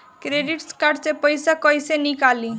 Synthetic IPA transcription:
kɾeɖiʈskaɾɖsepəjsakɔjsenikali

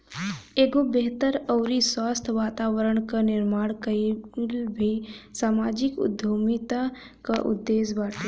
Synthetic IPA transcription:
eːɡobeɦt̪əɾɔːɾiswaːst̪ʰʋaːt̪aːʋəɾəɽ̃kanɪɾmaːɽ̃kəilbʱisaːmaːd͡ʒɪkʊ̰d̪ʱːoːmit̪a | kaʔʊ̰d̪ːeːsbaːʈi

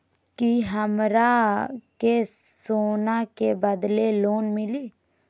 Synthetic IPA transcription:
kiɦəmɾakesoːnakebəd̪leloːnmɪliː

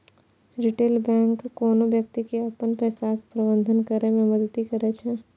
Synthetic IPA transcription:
ɾɪʈeːlbɛ̃ːŋkːɔːnoʋjəkt̪ikeɐpənpɛːsakpɾɐbə̃nd̪ʱənkəɾemẽmɐd̪ət̪ːikɐɾɛt͡ʃʰɛ

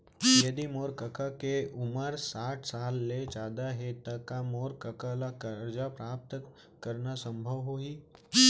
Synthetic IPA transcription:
jɐd̪imoːɾkɐkakeʊməɾsaːʈʰsaːlːed͡ʒaːd̪aɦet̪ɐkːamoːɾkəkalakəɾd͡ʒapɾaːp̚t̪ | kəɾnasə̃mbʱəʋɦoɦiː

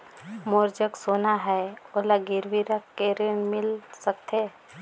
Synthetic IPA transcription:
moːɾd͡ʒəksoːnaɦɛolaɡɪɾʋiɾəkʰːeɾɪnmɪlsək̚t̪ʰeː

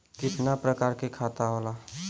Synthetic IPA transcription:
kɪt̪napɾəkaːɾkekʰat̪aɦola

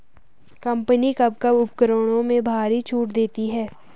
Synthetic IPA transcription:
kɐ̃mpənikɐb̚kɐbʊp̚kəɾoːɽ̃õmẽbʱaːɾit͡ʃʰuːʈd̪eːt̪iɦɛː

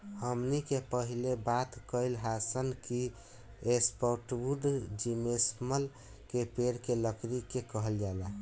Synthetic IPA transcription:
həmnikepəɦilebat̪kəɪlɦasənki | espɔʈwuɖd͡ʒimesməl | kepeɾkeləkʰɾikekəɦəld͡ʒala

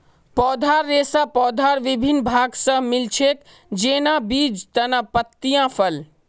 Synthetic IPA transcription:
pɔːd̪ʱaːɾːeːsapɔːd̪ʱaːɾʋɪbʱinbʱaːɡsə̃mɪlt͡ʃʰek | d͡ʒeːnãbiːd͡ʒt̪ənəpət̪ːijãpʰəl

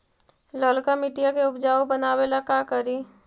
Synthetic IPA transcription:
ləlkamɪʈijakeʊpd͡ʒaːobənaːwelakakəɾi

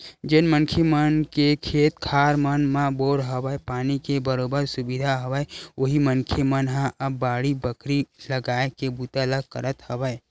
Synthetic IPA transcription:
d͡ʒenmənkʰemənkekʰeːt̪kʰaːɾmənmãboːɾɦəbəepaːnikebəɾoːbəɾsʊbid̪ʱaɦəwəeoɦimənkʰemənɦãʔəbːaːɽibəkɾiləɡaːekebuːt̪aləɡ̚kəɾət̪həbəe

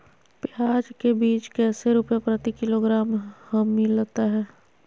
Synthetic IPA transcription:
pɪaːd͡ʒkebiːt͡ʃkɛːseɾuːpjepɾɐt̪ikɪloɡɾaːmhɐmːilət̪aɦɛː

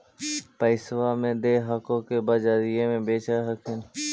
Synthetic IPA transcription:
pəɪsʋamẽd̪eːɦakõkeːbaːd͡ʒaːɾiːemẽbeːt͡ʃaːɾɦəkʰɪnɪ

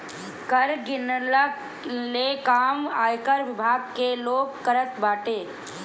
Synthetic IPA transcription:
kəɾɡɪnlə | lekaːmaːjkəɾʋɪbʱaːɡkeloːɡkəɾət̪baːʈeː

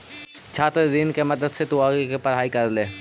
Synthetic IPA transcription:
t͡ʃʰaːt̪ɾed̪iːnkemɐd̪əd̪set̪ʊaːɡkepɐɾ̤aːikɐɾlẽː

